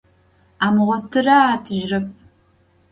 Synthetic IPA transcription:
aːmʁʷɔtʰɨraːtʰɨʒrɨp̚ʼ

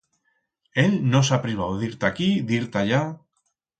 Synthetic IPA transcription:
elnosapɾiβ̞awðiɾt̪akiðiɾt̪aʎa

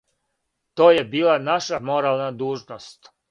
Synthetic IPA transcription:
t̪o̞ːjebiːlanaʃamo̞ɾaːlˠnad̪uːʒnost̪

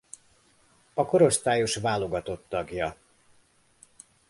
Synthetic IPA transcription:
ɒko̞ɾo̞st̪aːjo̞ʃvaːlo̞ɡɒt̪o̞t̪ːɒɡjɒ

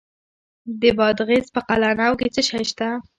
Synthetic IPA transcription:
d̪əbɑd̪ɣezpəqalanawket͡səʃajʃt̪a

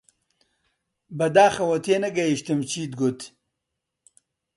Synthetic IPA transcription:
bɐd̪aːxɐwot̪ʰenɐɡɐiɕt̪ɐmt͡ɕiːd̪ɡot̪

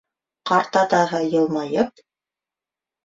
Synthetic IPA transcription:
qɑɾt̪ɑt̪ɑɦɤjɤ̆lˠmɑjɤp̚

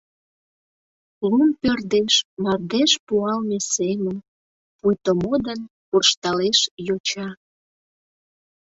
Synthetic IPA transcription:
lumpørd̪eʃmɑrd̪eʃpuɑlmesemən | pujt̪əmod̪ən | purʃt̪ɑleʃjot͡ɕɑ

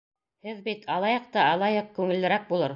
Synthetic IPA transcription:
hɘðbit̪ʰɑlˠɑjɤq̚t̪ɑɑlˠɑjɤq̚kʉŋɘ̆lːɘ̆ɾæk̚bulˠɤɾ

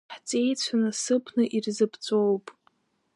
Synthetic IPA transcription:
ħt͡sʼe̞jt͡ɕʷʰanasɨpʰnɨʔirzɨpʰt͡sʷʼo̞wpʼ

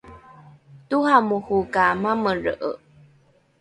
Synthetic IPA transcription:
tuhamuhukamaməɻəʔə̰

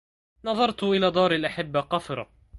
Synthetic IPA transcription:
nɑðˤɑɾˤt̪ʔɪlaːd̪ˤɑːɾˤalʔaħɪbːaqɑfɾˤɑ̰

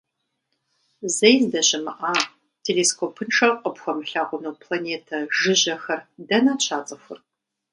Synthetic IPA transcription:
zejndɐɕɪmɨʔaː | tʰeleːskʰoːpʰɨnʈ͡ʂʰɐqʼəpxʷɐmɬaːʁʷʊnowpʰlaneːtʰɐʒɪʑɐxɐrdɐnaːt͡ʃʰaːt͡sʼɐxʷʊ̰r

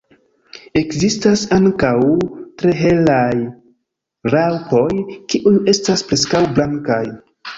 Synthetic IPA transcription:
e̞kzistasaŋkawtɾe̞ɦe̞laj | ɾawko̞jkiʔuje̞staspɾe̞skawblaŋkaj

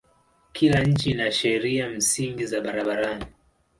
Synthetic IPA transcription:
kʰilaɲ̩t͡ʃinaʃɛɾiam̩siŋɡizaɓaɾaɓaɾani

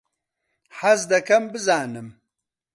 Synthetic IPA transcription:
ħɐzd̪ɐkɐmbɨzaːnɨm

